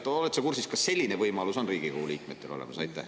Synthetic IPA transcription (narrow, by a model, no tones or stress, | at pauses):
t̪olet̪sekursiskɑssːe̞lʲːinevɤjmɑluso̞nriːɡ̥ikohuliːk̚met̪ːe̞lo̞lḛmɑ̰sɑ̰jt̪ːˑæ̰h